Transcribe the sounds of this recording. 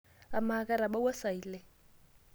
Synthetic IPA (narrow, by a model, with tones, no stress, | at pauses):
a˨ma˨kʼa˦ɾa˨ba˦wa˦sa˨iː˨le˨